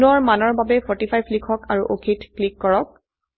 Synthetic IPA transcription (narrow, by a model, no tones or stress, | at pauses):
nɔɹmanɔɹbabɛpʰɔɹtipʰajblikʰɔkaɹuʔokʰitklikːɔɹɔk̚